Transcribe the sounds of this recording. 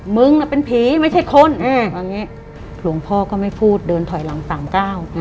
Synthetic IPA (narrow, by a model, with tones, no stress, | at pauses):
mɯ˧ŋla˧˩pe˧npʰiː˨˩˦ma˥˩jt͡ɕʰa˥˩jkʰo˧n˧waː˧ŋːniː˦˥ʔ | kʰlu˩˦əŋpʰɔː˥˩kɔː˥˩ma˥˩jpʰuː˥˩t̪̚dɤː˧nt̪ʰɔ˨˩˦jla˩˦ŋsaː˩˦mkaː˥˩w